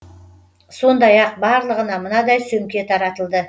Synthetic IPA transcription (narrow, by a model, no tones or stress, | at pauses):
so̞nd̪ɑjɑq̚bɑɾlˠəʁənɑmənɑd̪ɑjsɵŋkʲe̞t̪ʰɑɾɑt̪əlˠd̪ə